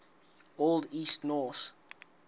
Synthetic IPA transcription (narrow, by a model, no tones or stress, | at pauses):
olˠdiːstnɔθ